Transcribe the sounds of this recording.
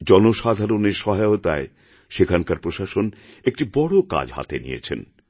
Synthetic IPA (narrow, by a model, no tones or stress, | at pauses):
d͡ʑɔnoʃad̪ʱaɾoneɾʃɔɦaot̪a̰e | ʃekʰankaɾpɾoʃaʃonek̚ʈibɔɽoka̰d͡ʑɦa̰t̪enḭjḛt͡ɕʰḛn